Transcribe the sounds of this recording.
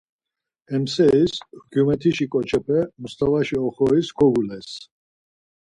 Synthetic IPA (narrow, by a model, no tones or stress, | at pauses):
ɛmsɛisɡjumɛt̪ʰiʃikʼɔt͡ʃʰɛpʰɛmust̪ʰʼavaʃiɔχɔisɡʰɔɡulɛs